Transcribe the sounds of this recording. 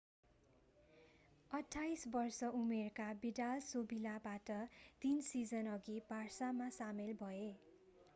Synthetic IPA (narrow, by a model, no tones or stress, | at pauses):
ʌʈʰːajsbʌrsʌʔumerkabiɖalsobilabaʈʌt̪insid͡zʌnʌɡibarsamasamelbʱʌe